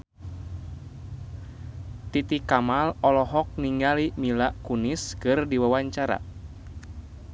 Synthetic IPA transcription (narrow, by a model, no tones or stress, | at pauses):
t̪it̪ikamalɔlɔɦɔk̚niŋɡalimilaʔkuniskɨrdiwawaɲt͡ʃaɾa̰